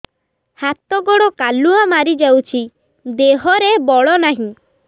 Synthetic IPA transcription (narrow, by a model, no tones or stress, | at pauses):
hat̪ɔɡɔɽɔkaluamaɾid͡ʒawt͡ʃʰi | d̪eɦɔɾebɔɭɔnaɦĩ